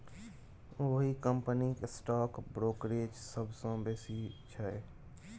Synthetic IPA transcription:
oɦikəmpəniksʈaːkbɾoːkɾeːd͡ʒsəbʱsõbeːsit͡ʃʰəe

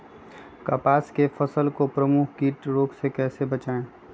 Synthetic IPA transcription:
kaːpaːskefɐsəlkopɾəmuːkʰkiːʈɾoːksekɛːsebɐt͡ʃaːẽ

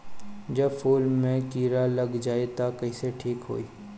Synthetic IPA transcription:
d͡ʒɐbfoːlmẽkiːɾalɐɡd͡ʒaːet̪akɐiseʈʰiːkɦo̰ːiː

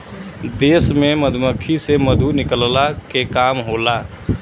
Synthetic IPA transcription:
d̪esmeməd̪ʱməkʰːiseməd̪ʱunikəllakekamɦola

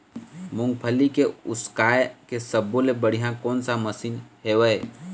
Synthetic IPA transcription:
mʊ̃ŋɡpʰəlikeʊskaːjkesəbolebəɽ̤ijãkoːnsaməsiːnɦeːʋəe

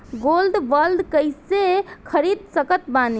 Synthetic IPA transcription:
ɡolɖʋəlɖ̪kəjsekʰəɾid̪̚səkət̪bani

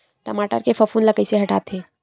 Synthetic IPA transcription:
ʈəmaːʈə̰ɾkefʰəfʰunləkəɪseɦɐʈaːt̪ʰeː

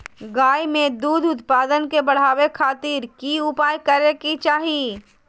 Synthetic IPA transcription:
ɡaːjmẽd̪uːd̪ʱʊt̪paːd̪ənkebɐɽ̤aːwekʰaːt̪iːɾkiʊpaːjkəɾekit͡ʃaːɦi

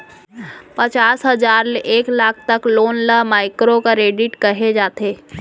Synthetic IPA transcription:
pət͡ʃaːsɦəd͡ʒaːɾleʔeːklaːkʰt̪əkloːnləɦmaːɪkɾokaɾeːɖɪʈkəɦed͡ʒaːt̪eː

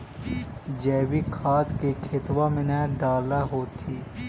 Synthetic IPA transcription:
d͡ʒɛːwikʰaːt̪kekʰɪt̪wamɪnaɖaːlaɦoːt̪ʰiː

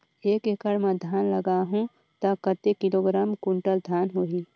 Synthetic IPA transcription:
eːkekəɽmẽd̪ʱaːnləɡaɦũ | t̪əkət̪ekɪloɡɾaːmkuɳʈəld̪ʱaːnɦoi

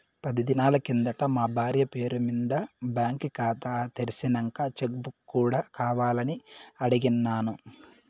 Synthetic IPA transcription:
pɐd̪id̪inaːlɐkind̪ɐʈɐmaːbʱaːɾjɐpe̞ːɾumind̪ɐbjaːŋkkaːt̪aːt̪eɾisinɐŋkaːt͡ʃeɡbuuːɽaːkaːʋaːlɐniɐɽiɡinːaːnu

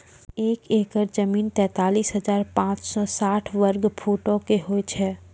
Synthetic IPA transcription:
eːkeːkəɾd͡ʒəmiːnt̪ɛ̃ːt̪aːliːsɦɐd͡ʒaːɾpãːt͡ʃsɔsaːʈʰʋəɾɡpʰoːʈõkeɦoːet͡ʃʰɛː

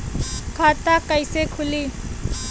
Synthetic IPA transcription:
kʰat̪akəjsekʰʊliː

